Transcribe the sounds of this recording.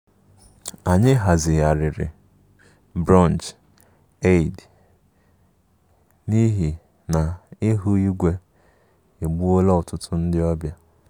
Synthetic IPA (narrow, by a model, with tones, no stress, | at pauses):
a˨ɲɪ˦ɦa˨zɪ˨ja˨ɾɪ˨ɾɪ̰˨ | bɾɔ˦˨nd͡ʒ | e˦˨d | ni˦ɦi˨ | na˨ɪ˦ɦu˦i˦ɡʷe˦ | e˨ɡ͡bu˦o˦lɔ˦ʊ˨tʊ˦tʰʊ˦n̩˦dɪ˦ɔ˦bja˦